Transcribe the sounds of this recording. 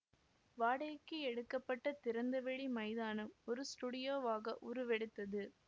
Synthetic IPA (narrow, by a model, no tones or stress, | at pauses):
ʋaːɽɐjkːɯɛɽɯkːɐpːɐʈːɐt̪ɪɾɐnd̪ɐʋɛɭimɐɪðaːnɯmɔɾɯsʈuːɽɪjoːʋaːɣɐʔʊɾɯʋɛɽɯt̪ːɐðɯ